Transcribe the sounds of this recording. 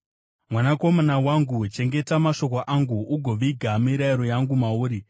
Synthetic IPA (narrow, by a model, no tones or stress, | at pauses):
mwanako̞manawaŋɡut͡ʃe̞ŋɡe̞tamaʃo̞koʔaŋɡuʔuɡʱo̞ʋiɡʱamiɾaiɾo̞jaŋɡumauːɾi